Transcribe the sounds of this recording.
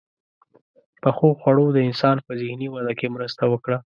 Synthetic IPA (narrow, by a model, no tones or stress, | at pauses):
pəxoxwaɽod̪əɪnsɑnpəzɪhniwad̪akemɾəst̪awəkɽa